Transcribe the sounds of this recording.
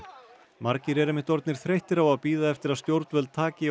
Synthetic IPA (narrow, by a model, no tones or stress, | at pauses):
maɾcɪɾɛɾɪmɪht̪ɔɾt̪nɪɾ̥θɾejht̪ɪɾawaðpiːðaɛft̪ɪɾaðst̪jowɾt̪nvɛlt̪ʰaːcɪ